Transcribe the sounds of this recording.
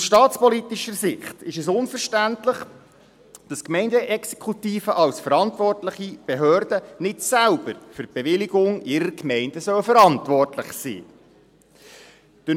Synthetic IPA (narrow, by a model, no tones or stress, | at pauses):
ʊsʃtɑːtt͡spɔlit̪iʃəɾsɪχtɪʃɛs̬ʊnfəɾʃtæntləχ | d̥ɑskmɛɪndəʔɛkse̥kχutiːfəʔɑlsfəɾɑntʋɔrtləχib̥eɦøːɾdənɪtsælb̥əɾfʏɾ̚b̥eʋɪlɪɡʊŋɪɾəɾkmɛɪndəsœwfəɾɑntʋɔrtləχsḭː | d̥ə